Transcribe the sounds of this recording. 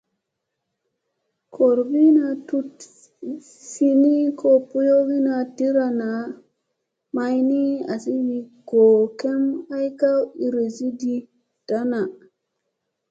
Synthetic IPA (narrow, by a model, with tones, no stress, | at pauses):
kʰo˨ɾbi˦na˧tu˦t | si˦ni˦kʰo˦˨pu˦jo˦wi˦na˧di˦ɾa˨na˨ | ma˦jni˦a̰˨si˦wi˨ɡ̥o˨ke˦ma˦jka˦wi˨ɾi˨si˦di˦ | d̥a˦na˨